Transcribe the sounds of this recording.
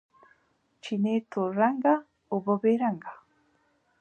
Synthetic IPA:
t͡ʃinet̪uɾaŋɡa | ubobeɾaŋɡa

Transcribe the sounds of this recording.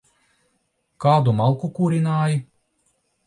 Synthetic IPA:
kaːd̪umalˠkukuɾʲinaːji

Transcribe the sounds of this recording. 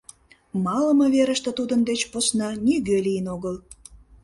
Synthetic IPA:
mɑlə̆məβeɾəʃt̪ĕt̪ud̪ənd̪et͡ɕposnɑniɣølijənoɣəl

